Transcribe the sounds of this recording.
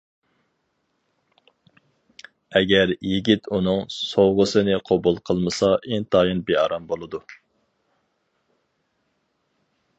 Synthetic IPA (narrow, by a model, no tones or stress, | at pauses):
ɛɡʲɛɾjiɡʲit̪ʰunɨŋsowʁəsɨnɨqʰobulˠqʰəlˠmɨsɑʔent̪ʰɑːjɨnbehɑ̰ɾɑmbolˠɨd̪u